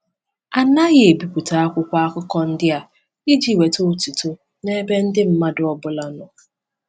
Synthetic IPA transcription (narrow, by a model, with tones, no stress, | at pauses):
a˨na˦ɣɪ˨e˨bi˨kʷu˨ta˨a˦kʷʊ˦kʷa˦a˦kʊ˦kɔ˦n̩˦dɪ˦a˨ | i˦d͡ʒi˨we˨to˦˨tu˨tu˦ | ne˦be˦n̩˦dɪ˦m̩˦ma˦dʊ˦ɔ˦bʊ˦la˦nɔ˨